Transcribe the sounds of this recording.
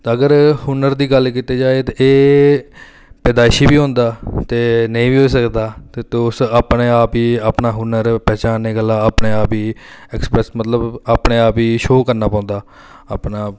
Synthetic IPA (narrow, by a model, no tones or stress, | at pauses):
t̪aəɡəɾhʊnəɾd̪iːɡəlkiːt̪eːd͡ʒaːeːt̪ːeː | pɛːd̪aːɪʃiːbiːɦõːnd̪aːt̪eːnəĩːʋiːɦoːisəkd̪aːt̪eːt̪ːʊsaːpneːaːpiːaːpnaːɦʊnəɾpɛːt͡ʃaːneːɡəlːãːaːpneːaːpiːɛːksə̥pɾɛsmət̪ləbaːpneːaːpiːʃoːkəɾnaːpãːnd̪aː | apnaː